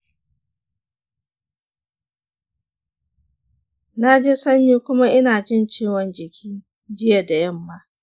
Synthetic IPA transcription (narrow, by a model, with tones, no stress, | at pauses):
na˦d͡ʒeː˦sɐ˦ɲjiː˦kʷʊ˦ma˦ʔɪ˦naː˨d͡ʒɪ˦nt͡ʃiː˦wɔ˨nd͡ʒɪ˨kʲʰiː˦ | d͡ʒɪ˦ja˨da˨jɐ˦mːa˦ʔ